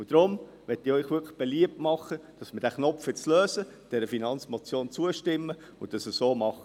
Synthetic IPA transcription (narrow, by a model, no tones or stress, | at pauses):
ʊd̥ɾʊm | ʋɛtɪœʏχʋʏkʰə̥χb̥eliəp̚tmɑχəd̥ɑsməd̥æχnɔfɪt͡sløːsəd̥ɛɾəfinɑnt͡smɔt͡sjoːnt͡suəʃtɪmːə | ʊd̥ɑsəssoːmɑχ